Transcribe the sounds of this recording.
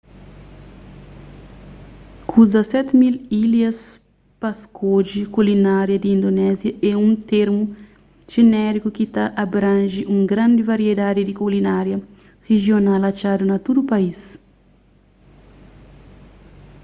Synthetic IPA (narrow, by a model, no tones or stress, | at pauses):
kʰuzɐsɛt̪mililjɐs | paskod͡ʒikulinaɾjɐd̪iĩnd̪onɛzjɐʔɛũt̪eɾmu | ʒ̥enɛɾikukit̪aʔabɾãnʒiʔũŋɡɾãnd̪ɪvaɾied̪ad̪id̪ikulinaɾjɐ | heʒjonalat͡ʃad̪unɐt̪ud̪upais